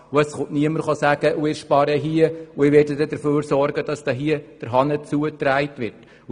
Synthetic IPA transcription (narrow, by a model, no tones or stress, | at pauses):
ʊɛsχʊnʔniəməɾχosæɡ̥əʔuɪɾʃpɑɾəɦiəʊɪʋɛɾdədɛdəɾføːɾsɔɾɡəd̥ɑsd̥ɑːɦiːəd̥əɾɦɑnət͡suətræɪtʋɪɾt